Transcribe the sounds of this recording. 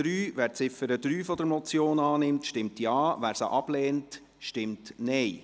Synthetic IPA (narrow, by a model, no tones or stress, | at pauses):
ɾyːvʋæːɾt͡sɪfəɾəd̪ɾyːfɔd̪əɾmɔt͡sjoːnɑːnɪmtʃtɪmtjɑːʋæːɾsə̰ʔɑb̥lɛːnt | ʃtɪmtnɛɪ